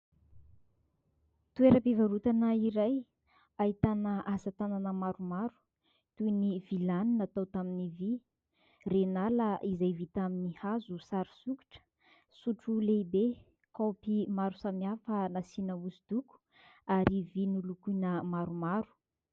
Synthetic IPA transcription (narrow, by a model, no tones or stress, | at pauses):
t̪ueɾəpivaɾut̪anəiɾaj | ahit̪anəasat̪ananəmaɾumaɾu̥ | t̪univilaninat̪awt̪aminivi | renaləʔizajvit̪aminihazusaɾu̥suki̥ʈ͡ʂə̥ | suʈ͡ʂuleibe | kopimaɾu̥samiafənasinəusid̪̥uku̥ | aɾivinulukunəmaɾumaɾu̥